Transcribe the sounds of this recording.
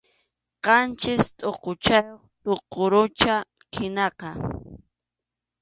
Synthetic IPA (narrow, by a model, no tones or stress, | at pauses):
qɑnt͡ʃɪst̪ʼoqot͡ʃajoχt̪ʼoqoɾʊt͡ʃa | kʰɪnɑqɑ